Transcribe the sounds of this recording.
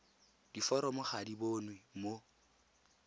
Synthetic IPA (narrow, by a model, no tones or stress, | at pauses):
d̥ifɔɾɔmʊχadiboːnwɪmo